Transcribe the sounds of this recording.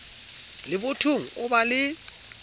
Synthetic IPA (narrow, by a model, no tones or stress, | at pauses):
lɪbʊtʰuŋ̩ʊbalɪ